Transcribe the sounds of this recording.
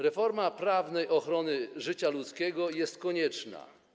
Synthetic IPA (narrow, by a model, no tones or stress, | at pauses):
ɾɛfɔɾmapɾavnɛjʔɔxɾɔnɘʐɘt͡ɕalut̪skʲɛɡɔjɛst̪̚kɔɲɛt͡ʂna̰